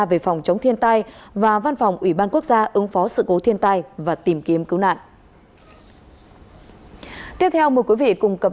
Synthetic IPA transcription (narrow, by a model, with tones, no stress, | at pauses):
ve˧˨˩fa˨˩wŋ͡mt͡ɕə˨˦wŋ͡mt̪ʰi˧ənt̪a˧jvaː˨˩va˧nfa˨˩wŋ͡mʔwi˧˩ɓaː˧nku˦˥ək̚zaː˧ʔɨ˨˦ŋfɔ˨˦sɨ̰˧˨ko˨˦t̪ʰi˧ənt̪a˧jvaː˨˩t̪i˨˩mki˨˦əmkɨ˨˦wna̰ː˧˨nʔ | t̪i˦˥əp̚t̪ʰɛ˧wmə˨˩əjkwi˨˦vḭ˧˨kʊ˨˩ŋ͡mkə˨˩p̚